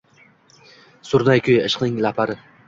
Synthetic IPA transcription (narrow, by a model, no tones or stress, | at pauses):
sʊɾnajkʲʰojɪʃqnɪŋlapʰaɾɪ